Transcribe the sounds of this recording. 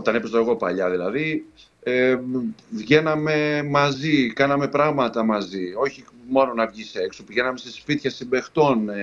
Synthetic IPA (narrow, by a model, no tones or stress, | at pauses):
ot̪ɐnepest̪oeɣo̞pɐ̰ʎɐðilɐði | e | vʝe̞nɐme̞mɐzikɐnɐme̞pɾɐɣmɐt̪ɐmɐzio̞çimo̞no̞nɐvʝise̞ksopiʝe̞nɐme̞sespit̪çɐsimbe̞xt̪o̞n